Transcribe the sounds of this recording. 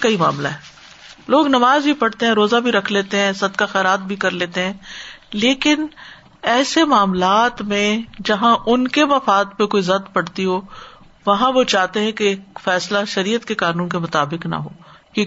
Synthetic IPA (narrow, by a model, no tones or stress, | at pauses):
kɐima̰ːmla̰ɦɛː | loːɡnɐmaːzbʱipɐɽt̪eɦɛ̃ɾoːzabʱiɾɐkʰleːt̪eɦɛ̃sɐd̪kaxɛːɾaːt̪̚bʱikɐɾleːt̪eɦɛ̃ːleːkɪn | ɛːsemaːmlaːt̪mẽd͡ʒɐɦãʔʊnkeʋɐfaːd̪pekoːizɐt̪pɐɽt̪iɦoː | ʋɐɦãʋot͡ʃaːɦt̪eɦɛ̃keːkfɛːslaʃɐɾiːət̪kekaːnũːnkemʊt̪aːbɪknɐ̰ɦoː | i